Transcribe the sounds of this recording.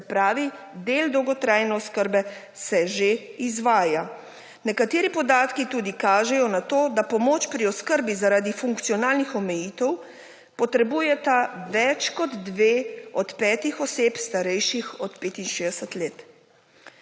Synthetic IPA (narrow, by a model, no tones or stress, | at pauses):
sɛpɾaːʋi | d̪eld̪ɔwɡɔt̪ɾaːjnɛɔskəɾbɛ | sɛʒeizʋaːja | nɛkat̪eːɾipɔd̪aːt̪kit̪uːd̪ikaːʒɛjɔnat̪oːd̪apɔmoːt͡ʃpɾiɔskəɾbizaɾaːd̪ifuŋkt̪sijɔnaːlnixɔmɛjiːt̪ɛw | pɔt̪ɾɛbuːjɛt̪aʋɛt͡ʃkɔd̪ːʋeːɔt̪pɛːt̪ixɔseːpst̪aɾɛjʃixɔt̪peːt̪inʃeːd̪ɛsət̪leːt̪